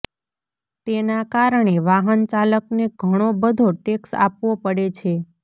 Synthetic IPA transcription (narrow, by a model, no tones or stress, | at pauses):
t̪enakaɾəɳ̃eʋaɦənt͡ʃaləkneɡʱəɽ̃obəd̪ʱoʈeksa̰pʋopəɽet͡ʃʰe